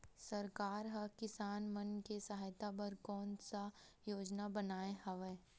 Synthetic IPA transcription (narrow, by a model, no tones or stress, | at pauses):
sɐɾkaːɾɦɐkɪsaːnmɐnkesɐɦaːjt̪apɐɾkɔːnsa | joːd͡ʒnabɐnaːehɐʋɛː